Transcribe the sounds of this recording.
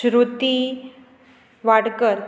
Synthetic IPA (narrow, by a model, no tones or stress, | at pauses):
ɾut̪i | ʋaɽkəɾ